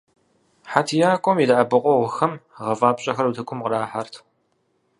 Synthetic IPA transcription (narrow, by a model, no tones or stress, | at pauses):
ħatʰijaːkʷʼɔmidaʔɐbɨqʷʼɔʁʷʊxɐmʁɐvaːpɕʼɐxɐɾutʰɨkʷʰʊmqəɾaːħartʰ